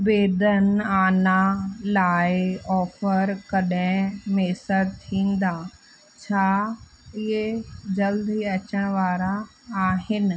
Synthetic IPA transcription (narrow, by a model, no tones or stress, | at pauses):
beːd̪ənaːnalaːɪɔːfəɾkɐɗɪ̃meːsəɾt̪ʰĩːn̆d̪aː | t͡ɕʰaː | ɪɦed͡ʑɐld̪iɐt͡ɕəɽ̃ʋaːɾaː | ɦɪnɪ̆